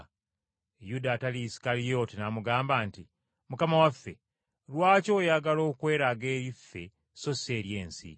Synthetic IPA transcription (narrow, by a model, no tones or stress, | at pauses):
judatalisi̥kalijotinamuɡaːmbaːnti | mukamawafːe̞̰ | lwaːco̞jaɡalo̞ːkwe̞ːɾaɡe̞ːjifːe̞̰ | so̞se̞ːɾje̞ːnsḭ